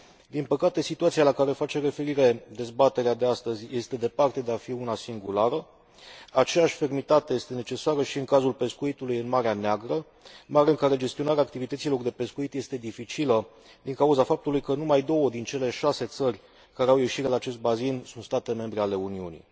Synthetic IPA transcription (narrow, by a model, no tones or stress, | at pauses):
d̪inpəkat̪e̞sit̪uat̪sialakaɾe̞fat͡ʃe̞re̞fe̞ɾiɾe̞d̪e̞zbat̪e̞ɾead̪e̞ast̪əzʲje̞st̪e̞d̪e̞part̪e̞d̪e̞afiunasiŋɡulaɾə | at͡ʃe̞jaʃʲfe̞rmit̪at̪e̞je̞st̪e̞ne̞t͡ʃe̞saɾəʃiɨŋkazulpe̞skuit̪ulujɨnmaɾeaneaɡɾə | maɾeɨŋkaɾe̞d͡ʒe̞st̪io̞naɾeaːk̚t̪ivit̪ət̪silo̞rd̪e̞pe̞skuit̪je̞st̪e̞d̪ifit͡ʃilə | d̪iŋkauzafap̚t̪ulujkənumajd̪o̞wəd̪int͡ʃe̞le̞ʃase̞t̪sərʲ | kaɾeawje̞ʃiɾelaːt͡ʃe̞st̪̚bazinsunt̪st̪at̪e̞me̞mbɾeale̞uniunḭ